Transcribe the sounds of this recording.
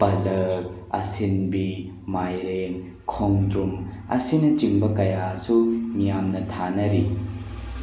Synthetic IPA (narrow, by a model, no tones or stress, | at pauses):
pɐlɐk̚ | ɐ̰sinbi | majɾeŋ | kʰoŋdɾum | ɐ̰sinɐt͡ʃiŋbɐkɐjasumijamnɐtʰanɐɾi